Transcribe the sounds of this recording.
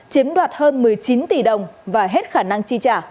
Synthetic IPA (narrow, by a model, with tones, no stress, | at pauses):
t͡ɕi˨˦əmɗwaː˨˩t̚həː˧nmɨ˨˩əjt͡ɕi˨˦nt̪i˨˩ɗə˨˩wŋ͡mvaː˨˩ɦe˦˥t̚xaː˧˩na˧ŋt͡ɕi˧t͡ɕaː˧˩